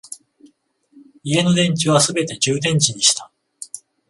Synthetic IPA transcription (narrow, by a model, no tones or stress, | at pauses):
ie̞no̞d̪ẽ̞ɲ̟t͡ɕiβ̞asɨbe̞t̪e̞ʑɨːd̪ẽ̞ɲ̟t͡ɕiɲ̟iɕi̥t̪a